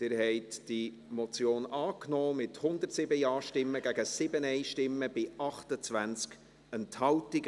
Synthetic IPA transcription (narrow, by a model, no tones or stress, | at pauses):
d̥ɪːɾhɛɪtd̥i | mɔt͡sjoːnɑːknɔːmɪthʊnd̪ətsɪbəjɑːʃtɪmːəɡæɡəsɪbənɛɪʃtɪmːəb̥ɪɑχtət͡svænt͡sk | ənthɑʊtɪɡ